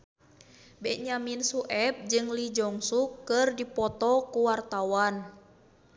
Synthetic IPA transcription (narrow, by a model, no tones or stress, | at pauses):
bɛɲaminsuʔɛp̚d͡ʒɨŋlid͡ʒɔŋsukːɨrdipɔt̪ɔkuwart̪awan